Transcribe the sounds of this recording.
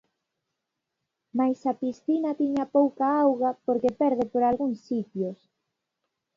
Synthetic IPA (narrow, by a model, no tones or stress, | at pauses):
majsapisθinat̪iɲapowkaawɣapoɾkepɛɾð̞ɪpoɾalɣuŋsːit̪jos